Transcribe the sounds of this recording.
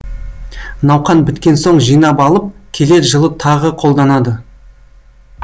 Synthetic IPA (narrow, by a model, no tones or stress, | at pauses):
nɑwqɑnbɪt̪kʲe̞nso̞ɴʒijnɑpɑlˠəp̚kʲʰe̞le̞t̪ʒəlˠət̪ʰɑʁəqʰo̞lˠd̪ɑnɑd̪ə